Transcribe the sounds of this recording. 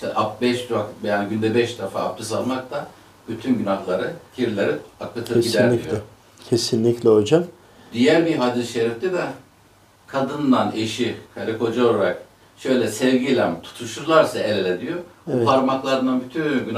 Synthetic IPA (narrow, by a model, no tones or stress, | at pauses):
ʃt̪ɛʔap̚bɛʃvakbejanɟynd̪ɛbɛʃd̪afa̰ːp̚t̪ʰɯsalˠmak̚t̪ʰa | byt̪ʰynɟynahlˠaɾɯcʰiɾlʲeɾiakːɯt̪ʰɯɟid̪æɾd̪ijo | cʰesinlʲiclʲɛod͡ʒam | d̪ijæɾbiɦad̪iɾʃeɾift̪id̪a | kʰad̪ɯnd̪aneʃikʰaɾikʰo̞d͡ʒaolˠaɾak̚ | ʃø̞jlʲɛsɛvɟilʲæmt̪ʰu̥t̪ʰuʃuɾlˠaɾsaelelʲed̪ijoupʰaɾmaklˠaɾɯnd̪anbyt̪ʰynɟyn